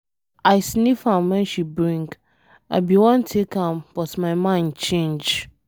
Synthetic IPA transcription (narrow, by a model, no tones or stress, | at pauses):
aɪsnifãmwɛ̃nʃibɹĩŋk | a̰biwɔ̃ntʰekʰãmb̥ɔtmãɪmãɪ̃nt͡ʃʰẽnd͡ʒ